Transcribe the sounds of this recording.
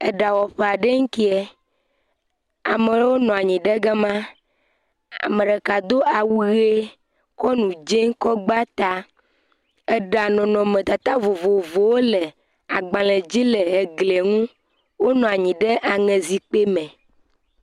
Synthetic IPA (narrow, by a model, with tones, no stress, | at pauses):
ɛ˨ɖa˨wɔ˨ɸe˦˨a˨ɖe˦ŋ̩˦ki˦ɛ˦ | a̰˨me˨lwo˦nɔ̃˨a˨ɲĩ˨ɖɛ˦ɡɛ˦mã˦ | a̰˨me˨ɖɛ˨ka˨d̪o˦ʔa˨wu˦ɣe˦ | kɔ˦nũ˨d͡ʒe˦ŋ˦kɔ˦ɡ͡ba˦t̪a˦ | e˦˨ɖa˨nɔ̃˨nɔ̃˨mẽ˨t̪a˨t̪a˦vo˨vo˨vo˨wo˦le˨ | a˨ɡ͡bã˨le˨d͡ʑi˦le˨e˨ɡle˨ŋũ˦ | wo˦nɔ̃˨a˨ɲĩ˨ɖɛ˦ʔa˨ŋɛ̃˨zi˨k͡pe˦mɛ̃˨